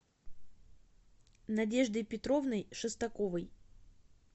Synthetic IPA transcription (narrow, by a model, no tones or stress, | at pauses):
nɐdʲe̞ʐd̪ɨjpʲɪt̪ɾovnəjʂɨst̪ɐkovɨj